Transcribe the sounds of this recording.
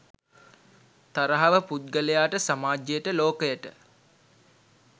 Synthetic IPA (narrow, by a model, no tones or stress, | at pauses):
t̪aɾəɦaʋəput̪̚ɡəlejaːʈəsamaːd͡ʒejəʈəloːkəjəʈə